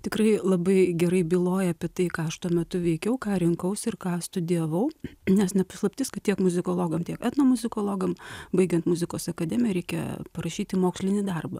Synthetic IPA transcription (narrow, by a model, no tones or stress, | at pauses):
t̪ʲɪkrɐɪlˠɐbɐɪɡʲɛɾɐɪbʲilˠoːjɛɐːpʲiɛt̪ɐɪkɑːɐʃt̪uɔmʲɛt̪ʊʋʲɛɪkʲɛʊkɑːɾʲɪŋkɐʊsɪrkɑːst̪ʊd̪ʲiɛʋɐʊnʲɛsnʲɛpɐslˠɐpʲt̪ʲɪskɐt̪t̪ʲiɛkmʊzʲɪkoːlˠoːɡɐmt̪ʲiɛkɛt̪noːmʊzʲɪkoːlˠoːɡɐmbɐɪɡʲɛnt̪mʊzʲɪkoːsɐkɐd̪ʲɛːmʲɪjɛɾʲɛɪkʲɛ̰pɐɾɐʃʲiːt̪ʲɪmoːksʲlʲɪnʲɪd̪ɐrbɐ